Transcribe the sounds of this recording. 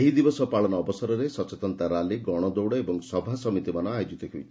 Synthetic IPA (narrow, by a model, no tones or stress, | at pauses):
eɦid̪ibɔsɔpaɭɔnɔːbɔsɔɾɔɾesɔt͡ʃet̪ɔnt̪aɾaliɡɔɽ̃ɔd̪owɽɔebɔŋsɔbʱasɔmit̪imanɔajɔd͡ʒit̪ɔɦuj